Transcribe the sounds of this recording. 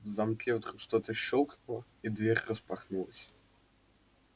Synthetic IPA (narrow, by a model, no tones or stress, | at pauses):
zɐmklʲevt̪ɾuʂt̪ot̪əɕːolˠknulˠə | id̪vʲeɾʲrəspaxnulˠəsʲ